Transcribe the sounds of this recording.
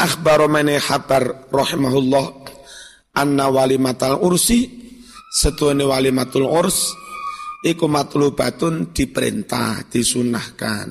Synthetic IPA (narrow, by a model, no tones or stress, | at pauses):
ʔaxbaɾɔmɛneħab̥arrɑħimaɦulːɔh | ʔanːawalimat̪alursi | sət̪uonewalimat̪ʊlʔʊrs | ʔikumat̪ulub̥a̤t̪ʊnd̪̥i̤pəɾḭnt̪a̰hd̪̥i̤sunahka̰n